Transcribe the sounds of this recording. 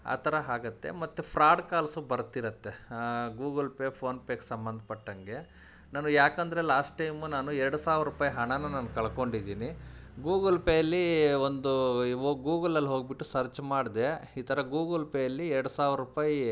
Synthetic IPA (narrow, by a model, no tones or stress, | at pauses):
a̰ːt̪ʰɐɾɐɦaːɡɐt̪ːe̞̰mɐt̪ːepʰɾaːɖkaːlsubɐɾt̪iɾɐt̪ːeɡuːɡɐlpepʰo̞ːnpeːksɐmbɐnd̪ʱɐpɐʈːɐŋɡe̞ | naːnujaːkɐnd̪ɐɾelaːsʈʈɐjmunaːnuɛɾɐɽusaːʋɾɾupaːjɦɐɳɐnːɐnaːnukɐɭɐko̞ɳɖid̪iːniɡuːɡɐlpejɐlːiond̪uoːɡuːɡɐlɐlːiɦoːɡbiʈːusɐɾt͡ʃmaːɖd̪e̞iːt̪ʰɐɾɐɡuːɡɐlpejɐlːiɛɾɐɽusaːʋɾɾupaːji